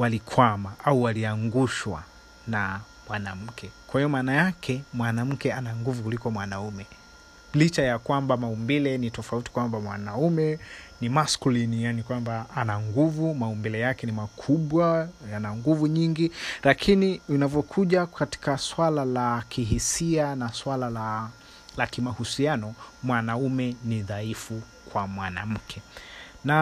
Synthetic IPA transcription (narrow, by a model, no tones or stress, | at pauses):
walikʰwamaʔauwaliaŋɡuʃwa̰ | na | mwanam̩kʰɛkwahijɔmaːnajakʰɛmwanam̩kɛanaŋɡuvukulikɔmwanaumɛ | lit͡ʃajakwambamaumbilɛnitɔfauti̥kwambamwanaumɛnimaskulinijanikwambaanaŋɡuvumaumbilɛjakɛnimakʰuɓwajanaŋɡuvuɲiŋɡilakʰiniunavjɔkʰuʄakati̥kaswalalakʰiɦisianaswalala | lakimahusianɔmwanaumɛniðaifu | kwamwanam̩kʰɛ | na